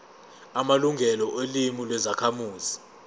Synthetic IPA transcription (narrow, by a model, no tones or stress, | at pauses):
amaluŋʱɛlɔʔelimilwɛzakʰamuːzi